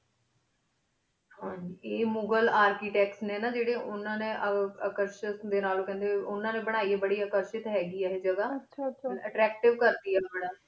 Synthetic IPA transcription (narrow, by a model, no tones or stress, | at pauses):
hãːɲd͡ʒiːeːmʊɡəlaːɾkiːʈɛːksneːnaːd͡ʒeːɽeːʔʊnãːnẽːʔəəkəɾʃəsd̪eːnaːloːkɛ̃nd̪eːʊnːãːneːbəɽ̃aːiːeːbəɽiːəːkəɾʃɪt̪ɦɛːɡiːɛːɦed͡ʒəɡaːt͡ʃəʈɾɛːk̚ʈɪʋkəɾd̪iːɛːbəɽaː